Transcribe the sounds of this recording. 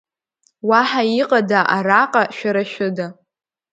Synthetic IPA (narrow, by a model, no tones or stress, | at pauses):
waħaiqʼadaʔaraqʼaʃᶣaɾaʃᶣʊda